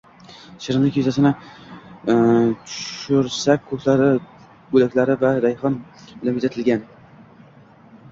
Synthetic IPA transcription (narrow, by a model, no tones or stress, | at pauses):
ʃɪɾɪŋnɪkʲʰezasɪnɪ | t̪ʰʊ̥ʃʊɾsak̚ʲkʰːɵkʰlaɾɪ | bɵlakʲlaɾɪvaɾajhɒn | lɪmɪt̪at̪ʰɪlɡʲan